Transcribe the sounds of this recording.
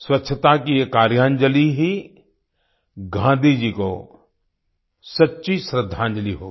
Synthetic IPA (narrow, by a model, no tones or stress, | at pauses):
swɐtːʃʰət̪akiekaːɾjãːɲd͡ʒəliɦi | ɡʱãːnd̪ʱid͡ʒiːko̰ | sɐtːʃisɾəd̪ʱːãːɲd͡ʒəliɦo̰ː